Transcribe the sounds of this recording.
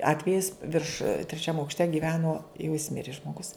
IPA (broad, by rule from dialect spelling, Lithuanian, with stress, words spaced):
ˈɑːtʲʋʲɛjɪs ʋʲɪrʃ tʲrʲɛˈt͡ʃʲɛm ɐʊkʃʲˈtʲɛ ɡʲɪˈʋʲæːnoː jɛʊ jɪs ˈmʲɪrʲɪ ʒmoːˈɡʊs